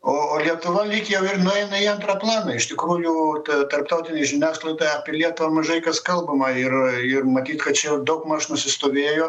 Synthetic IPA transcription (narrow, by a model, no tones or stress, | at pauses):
oːoːlʲiɛt̪ʊʋɐlʲiːkʲjɛʊɪrnʊɛɪnɐiɐnt̪rɐplˠɑːnɐɪʃt̪ʲɪkɾuːjuːt̪t̪ɐrpt̪ɐʊt̪ʲɪnʲɛɪʒʲɪnʲæːsklˠɐɪd̪ɐɪɐpʲiɛlʲiɛt̪ʊʋɐmɐʒɐɪkɐskɐlˠbɐmɐɪrɪrmɐt̪ʲiːt̪kɐt̪̚t͡ʃʲɛjɛʊd̪ɐʊkmɐʃnʊsʲɪst̪oːʋʲeːjoː